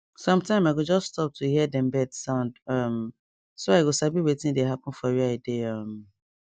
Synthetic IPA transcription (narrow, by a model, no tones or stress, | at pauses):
sɔ̃mtãɪ̃maɪɡod͡ʒɔststɔp̚tʰuhiɛdɛ̃mbɛdsãʊ̃ndʌm | soaɪɡosabiwetɪ̃deɦapɔ̃n̩fɔwɛaɪdeʌm